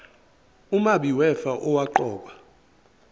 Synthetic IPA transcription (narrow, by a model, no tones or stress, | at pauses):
umaɓiwɛfaʔɔwaǃɔːɓa